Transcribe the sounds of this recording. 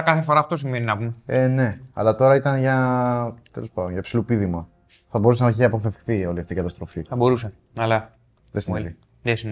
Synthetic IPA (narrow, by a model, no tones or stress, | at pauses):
kɐθefoɾɐːft̪o̞s̬imeninɐpumeene̞ɐ̰lɐt̪o̞ɾɐit̪ɐnʝɐ | t̪elospɐðonʝɐpsilupiðimɐ | θɐbo̞ɾusenɐçiɐpo̞fe̞fkθio̞liɐft̪iːkɐt̪ɐst̪ɾo̞fiθɐbo̞ɾuse | ɐlɐ | ðesini | ðesin